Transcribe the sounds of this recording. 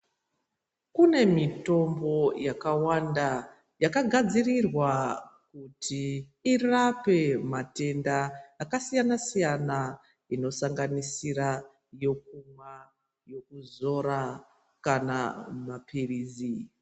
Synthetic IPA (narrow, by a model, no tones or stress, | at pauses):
kune̞mito̞mbo̞jakawanda | jakaɡʱad͡zirirwakutʰi | irape̞mate̞ndaːkasijanasijana | ino̞saŋɡanisira | jo̞k̚umwa | jo̞kuzo̞ɾa | kanamapʰiriːzi